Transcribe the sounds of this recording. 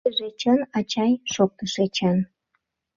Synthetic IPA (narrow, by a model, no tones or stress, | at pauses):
eʒet͡ɕənɑt͡ɕɑjʃok̚t̪əʃet͡ɕɑn